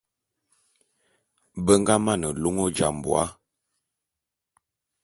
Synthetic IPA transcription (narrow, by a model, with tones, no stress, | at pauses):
bə˦ŋɡa˦ma˦˨nə˨lo˦ŋo˦d͡ʒa̰˨m˨bw̰a̰˦